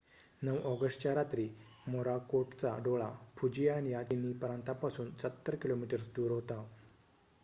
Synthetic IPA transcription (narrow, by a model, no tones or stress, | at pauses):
nəʋɔɡəʂʈt͡ɕaɾat̪ɾiː | moɾakoʈt͡saɖoɭapʰud͡ʑijañijat͡ɕ̪inipəɾãnt̪apasuːnsət̪ːəɾkilomiʈəɾsd̪uːɾɦot̪a